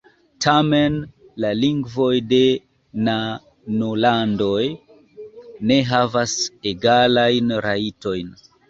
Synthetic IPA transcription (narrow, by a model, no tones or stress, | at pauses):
tʰame̞n | laliŋɡvo̞jde̞ | na | nolando̞j | ne̞ɦavaseɡalajnɾaito̞jn